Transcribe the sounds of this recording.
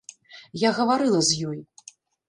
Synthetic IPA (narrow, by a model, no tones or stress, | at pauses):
jaɣɐvaɾɨlˠɐzʲjɔj